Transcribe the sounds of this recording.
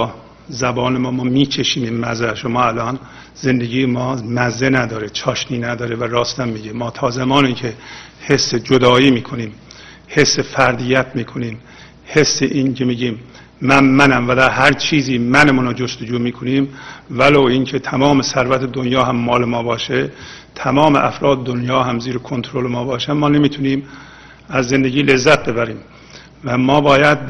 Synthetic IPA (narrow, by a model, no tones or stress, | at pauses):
zæbɒːnemɒːmɒːmiːt͡ʃʰeʃiːminmæzæʃomɒːælɒːn | z̥e̞nd̪e̞ɡiːjemɒːmæzːenæd̪ɒːɾet͡ʃʰɒːʃniːnæd̪ɒːɾevæɾɒːst̪æmːiːɟemɒːt̪ʰɒːzæmɒːniːkʰe | he̞sːed͡ʒod̪ɒːiːmiːkʰo̞niːm | he̞sːefæɾd̪ijæt̪ʰmiːkʰo̞niːm | he̞sːeʔiːnkʰemiːɟiːmː | ænmænæmvæd̪æɾɦæɾt͡ʃʰiːziːmænemunod͡ʒost̪od͡ʒuːmiːkʰoniːmvæloːiːncʰet̪ʰæmɒːmesæɾvæt̪ʰed̪onjɒːɦæmːɒːlemɒːbɒːʃet̪ʰæmɒːmeʔæfɾɒːd̪ed̪onjɒːɦæmziːɾekʰont̪ʰoɾolemɒːbɒːʃæmɒːne̞miːt̪ʰuniːm | æzːe̞nd̪eɡiːlezːæt̪̚be̞bæɾiːm | væmɒːbɒːjæd̪̚